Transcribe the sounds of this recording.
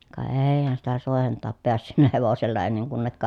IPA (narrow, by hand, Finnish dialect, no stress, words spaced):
kɑ eːi̯hæn sitæ soˑehen tɑːp peæsːynːæ heʋoselːɑ enːeŋ kunːekːɑ